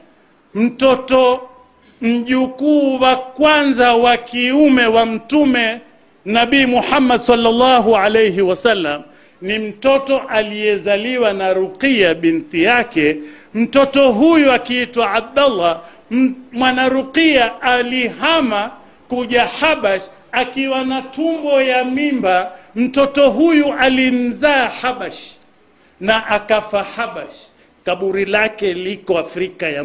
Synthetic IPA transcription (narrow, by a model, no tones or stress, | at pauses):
m̩tɔtɔ | m̩ʄukuːwakwanzawakiumɛwam̩tumɛ | naɓiːmuħamːadsalːalːɑɦuʕalejɦiwasalːam | nim̩tɔtɔʔalijɛzaliwanaɾuqijaɓinθijakɛ | m̩tɔtɔɦujuakiitwaab̚dalːa | mwanaɾuqiaːliɦama | kuʄahaɓaʃ | akiwanatumbɔjamimbam̩tɔtɔɦujuʔalim̩zaːhaɓaʃ | naʔakafahaɓaʃ | kaɓuɾilakɛlikɔafɾikaja